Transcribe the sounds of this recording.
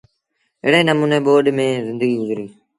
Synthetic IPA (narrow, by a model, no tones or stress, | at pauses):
ɪ̰ːɽeːnəmuːneːɓoːɗmẽːzɪ̃nd̪əɡiːʊzɾiː